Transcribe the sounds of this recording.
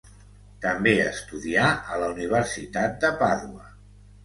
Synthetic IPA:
t̪əmbeəst̪uðiaələuniβ̞əɾsit̪at̪̚d̪əpaðuə

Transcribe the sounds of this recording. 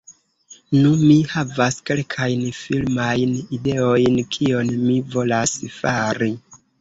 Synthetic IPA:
numihavaske̞lkʰajnfilmajnide̞o̞jnkʰio̞nmivo̞lasfaɾi

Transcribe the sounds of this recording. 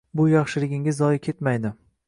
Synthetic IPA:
bʊjɑχʃɪlɪɡʲɪŋʲɪzːɒjɪkʲʰe̞t̪majd̪ɪ

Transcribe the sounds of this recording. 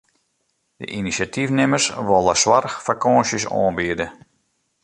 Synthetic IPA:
də̰ʔinisatifnɪmərsʋɔlˠəswarxfakɔːnsjəsɔ̰ːnbiədə

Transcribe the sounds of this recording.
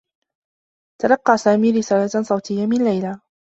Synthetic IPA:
t̪ɑlɑqːɑːsaːmiːɾɪsaːlatsˤɑwt̪ʰɪjːamɪnlajla

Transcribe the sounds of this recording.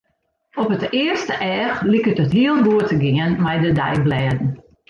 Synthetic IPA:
ɔpətɪərstəʔɛːxlikətətɦiəlˠnɡuətəɡɪənmɛjdədɛ̰jblɛːdn̩

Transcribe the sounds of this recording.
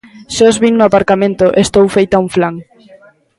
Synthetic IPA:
ʃɔzβiŋnʊapaɾkamẽnt̪ʊʔest̪owfejt̪auɱflaŋ

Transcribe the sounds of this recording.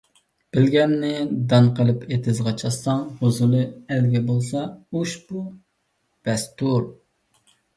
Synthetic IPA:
b̥ɪlɡʲɛnːɪd̪ɑnqʰəlˠɨpʰet̪ʰɪzʁɑt͡ʃʰɑsɑŋhozulˠɨælɡʲɛbolˠsɑuʃbu | b̪̥ɛst̪uɾ

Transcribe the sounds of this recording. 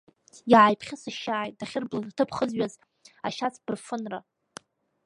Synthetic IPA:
jaʕajpʰχʲɪsɨʃaʕajt̚daχʲɪrblɨrtʰɨpʰχəzɥaz | aʃat͡sʰb̥ɨrfɨnra

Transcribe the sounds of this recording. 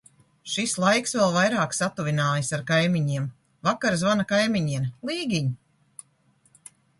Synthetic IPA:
ʃislˠajksvɛlˠvajɾaːksat̪uvʲinaːjsaɾkajmʲiɲiɛm | vakaɾzvanakajmʲiɲiɛmlˠiːɡʲiɲ

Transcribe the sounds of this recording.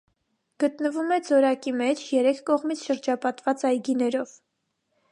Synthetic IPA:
ɡ̥ət̪nəvumɛd͡zɔɾɑkimɛt͡ʃʰjɛɾɛkʰkɔʁmit͡sʰʃəɾd͡ʒɑpɑt̪vɑt͡sɑjɡinɛɾɔv̥

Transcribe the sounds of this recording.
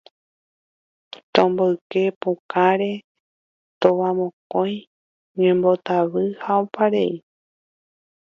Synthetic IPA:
t̪õmboɨke̞pukaɾe̞ | t̪oʋamõkõj̃ | ɲẽmbo̞t̪aβɨhaopaɾe̞i

